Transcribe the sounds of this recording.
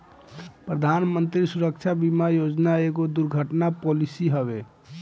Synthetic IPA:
pɾəd̪ʱanmənt̪ɾisuɾək̚t͡ʃʰabimajod͡ʒnaeɡod̪uɾɡʱəʈnapolisiɦəbe

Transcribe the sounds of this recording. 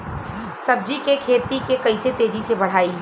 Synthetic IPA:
sɐb̚d͡ʒikekʰeːt̪ikekɐɪset̪eːd͡ʒisebɐɽ̤aːi

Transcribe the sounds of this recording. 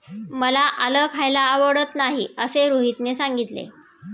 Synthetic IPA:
məlaʔaləkʰajlaːʋəɽət̪naɦiəseɾuɦit̪nesaŋɡit̪lḛ

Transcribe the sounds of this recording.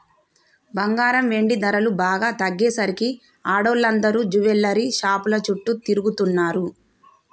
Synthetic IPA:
bɐŋɡaːɾɐmʋe̞ɳɖid̪ɐɾɐlubaːɡaːt̪ɐɡːɛːsɐɾiki | aːɽoːlːɐnd̪ɐɾuːd͡ʒuʋɛlːɐɾiʃaːpulɐt͡ʃuʈːut̪iɾuɡut̪unːaːɾu

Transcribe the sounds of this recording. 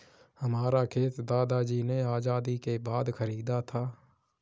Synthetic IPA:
həmaːɾakʰeːt̪d̪aːd̪aːd͡ʒiːneaːd͡ʒaːd̪ikebaːd̪kʰəɾiːd̪at̪ʰaː

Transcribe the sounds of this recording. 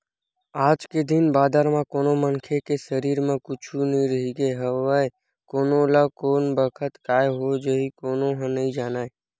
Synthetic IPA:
aːd͡ʒked̪inbaːd̪əɾmẽkoːnoməŋkʰekesəɾiːɾmẽkʊt͡ʃʰunĩɾəɦiɡeɦəəe | koːnoləkoːnbəkʰət̪kaːeɦod͡ʒəɦikoːnoɦə̃nəɦĩd͡ʒaːnaːe

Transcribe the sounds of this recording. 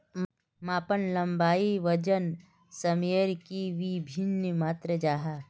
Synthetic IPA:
maːpənlɐmbaːiʋəd͡ʒən | sɐmijəɾkiʋibʱinːmaːt̪ɾəd͡ʒaːɦaː

